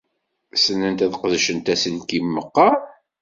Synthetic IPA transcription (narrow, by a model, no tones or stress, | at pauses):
sənːənt̪æðqəðʃənt̪æsənkimːəqːɑ